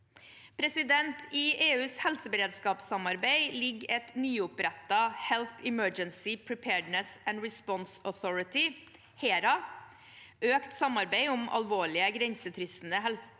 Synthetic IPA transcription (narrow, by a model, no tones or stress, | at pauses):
pʰɾɛsɪd̪ɛnt̪ʰiːʔeːʉːshɛlsəbəɾeːd̪skɑːpsɑmɑɾbæɪlɪɡːɛt̪nyːʊpɾɛt̪ːɑhɛlθɪmœd͡ʒənsɪpʰɹɪpʰɛːɖnəsænɹɪspɔnsɔθɔɹɪt̪ɪ | heːɾɑ | ʔøːkt̪sɑmɑɾbæɪʊmʔɑ̰lʋoːɭɪəɡɾɛɲsət̪ʰɾʏsn̩əhɛls